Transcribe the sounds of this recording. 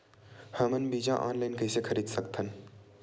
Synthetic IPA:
həmənbiːd͡ʒãʔa̰ːnlaːɪnkəɪsekʰəɾiːd̪səkt̪ʰən

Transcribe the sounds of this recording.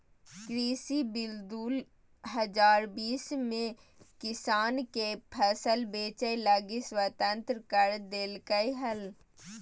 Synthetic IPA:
kɾiːsibɪld̪uːl | ɦəd͡ʒaːɾbiːsmẽ | kɪsaːnkepʰəsəlbeːt͡ʃəjləɡiswət̪ə̃nt̪ɾkəɾd̪eːlkəiɦɐl

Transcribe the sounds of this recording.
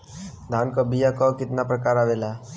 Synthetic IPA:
d̪ʱaːnkɔbijakɔkɪt̪napɾəkaːɾaːʋela

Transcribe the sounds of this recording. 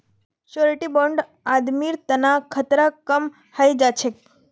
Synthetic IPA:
ʃoɾeʈiboɳɖ | ad̪miɾt̪ənakʰət̪ɾakəm | hajd͡ʒat͡ʃʰek̚

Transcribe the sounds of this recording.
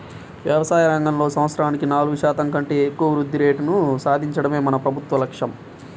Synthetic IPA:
ʋjɐʋɐsaːjɐɾɐŋɡɐmlo̞ːsɐmɐt̪sɾaːnikinaːluɡuʃaːt̪ɐŋkɐɳʈeːekːuʋɐʋɾud̪ʱːiɾe̞ːʈunusaːd̪ʱiɲt͡ʃɐɽɐme̞ːmɐnɐpɾɐbʱut̪ʋɐlɐkʂɐm

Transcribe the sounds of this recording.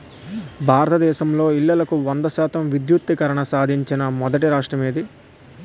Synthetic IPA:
bʱaːɾɐt̪ɐd̪ɛːʃɐmlo̞ːilːɐlɐkuʋɐnd̪ɐʃaːt̪ɐmʋid̪jut̪ːikɐɾɐɳɐsaːd̪ʱiɲt͡ʃinɐmɔd̪ɐʈiɾaːʂʈɾɐmeːd̪i

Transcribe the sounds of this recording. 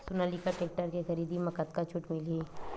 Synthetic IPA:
sʊnaːlikaʈeːk̚ʈəɾkexɐɾiːd̪imɐkət̪kat͡ʃʰʊʈmɪle

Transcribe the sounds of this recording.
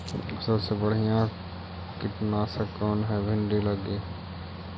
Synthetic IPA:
səbsebəɽ̤ijã | kɪʈnasekɔːnɦɛbʱɪ̃ɳɖiləɡeː

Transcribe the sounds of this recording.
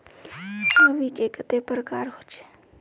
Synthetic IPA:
kʰaʋikeːkət̪epəɾkaːɾɦoːt͡ʃe̥ː

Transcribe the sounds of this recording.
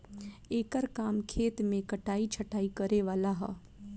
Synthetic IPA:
eːkəɾkaːmkʰeːt̪mẽkɐʈaːit͡ʃʰəʈaːikəɾeʋaːlaɦɛ̰ː

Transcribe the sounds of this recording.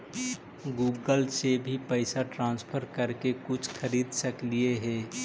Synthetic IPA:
ɡuːɡəlsebʱipəɪsaʈɾãːnspʰəɾkəɾkekʊt͡ʃʰxʰəɾiːd̪səklieɦɛː

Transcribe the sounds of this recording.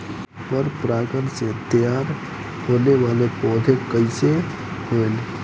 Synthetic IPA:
pəɾpɾaːɡənset̪jaːɾ | hoːneʋaːlepɔːd̪ʱekəɪse | hoene

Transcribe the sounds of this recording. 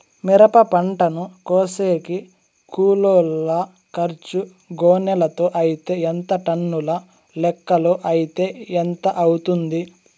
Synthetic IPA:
miɾɐpɐpɐɳʈɐnukoːseːki | kuːloːlːɐ | kɐɾt͡ʃu | ɡoːnɛlɐt̪oːʔɐjit̪e̞ːent̪ɐʈɐnːulɐ | lɛkːɐloːʔɐjit̪e̞ːent̪ɐʔɐwut̪und̪i

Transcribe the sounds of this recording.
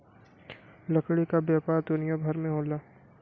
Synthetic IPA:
lɐkɽikabjaːpaːɾd̪ʊnɪjabʱɐɾmẽɦoːlaː

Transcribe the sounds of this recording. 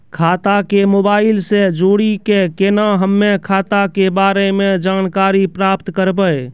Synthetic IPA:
kʰaːt̪akemoːbaːɪlsed͡ʒoɽikekenaɦəmːekʰaːt̪akebaːɾemed͡ʒaːnkaːɾipɾaːpt̪kəɾbəj

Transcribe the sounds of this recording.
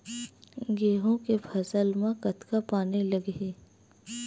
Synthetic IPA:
ɡeːɦõkepʰɐsəlmãkɐt̪kapaːnelɐɡɦeː

